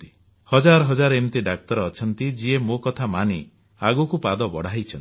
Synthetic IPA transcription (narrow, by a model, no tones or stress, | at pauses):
t̪i̥ | hɔd͡ʒaɾɔɦɔd͡ʒaɾemt̪iɖak̚t̪ɔɾːt͡ʃʰɔnt̪id͡ʒiemokɔt̪ʰamani | aɡukupad̪ɔbɔɽ̤aijt͡ʃʰɔnt̪i